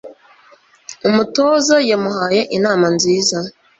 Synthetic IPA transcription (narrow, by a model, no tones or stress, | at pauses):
umutoːzajamuɦaːje̞ʔinaːmanziːza